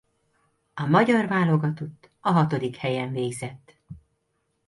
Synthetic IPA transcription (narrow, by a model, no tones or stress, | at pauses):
ɒmɒɟɒrvaːlo̞ɡɒt̪ot̪ː | ɒɦɒt̪o̞d̪ikhɛjɛɱveːɡzɛt̪ː